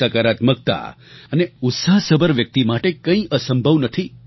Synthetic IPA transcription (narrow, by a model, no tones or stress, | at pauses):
akəɾat̪mək̚t̪a̰ | əneʊt̪saɦsəbəɾʋjək̚t̪imaʈekə̃ĩʔəsəmbʱəʋnət̪ʰi